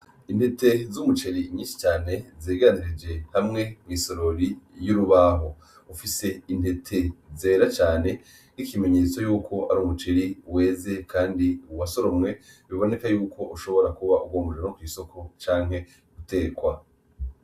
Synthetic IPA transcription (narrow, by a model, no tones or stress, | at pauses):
indhe̞te̞zumut͡ʃeɾimɲiːnsi̥t͡ʃaːne̞zeːɡaaniɾid͡ʒe̞hamŋe̞mwiːso̞ɾoɾijuɾuβaɦo̞ | ufise̞in̥he̞tʰe̞zeːɾat͡ʃaːne̞ | n̥ikime̞ɲe̞ːt͡sojuːkʰo̞ʔaɾuːmut͡ʃeɾiwe̞ːze̞kʰaːndiuwaso̞ɾomŋe̞ | βiβo̞ne̞kajuːkʰo̞ʔuʃo̞βo̞ɾakuβauɡwoːmoʒenokwiːso̞kʰo̞t͡ʃaːŋ̥he̞ | ɡute̞ːkwa